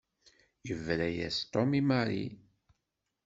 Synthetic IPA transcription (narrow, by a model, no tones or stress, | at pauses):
jəvɾæjæst̪ɔmimaɾḭ